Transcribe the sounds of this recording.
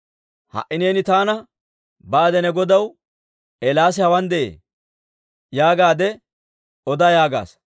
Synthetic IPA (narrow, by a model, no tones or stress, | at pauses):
hɐ̰ʔɪneːnɪt̪aːnɐ | baːd̪ɛnɛɡɔd̪ɐw | ʔɛlaːs̬ɛhɐwɐnd̪ɛʔḛː | jaːɡaːd̪ɛ | ɔd̪ajaːɡa̰ːs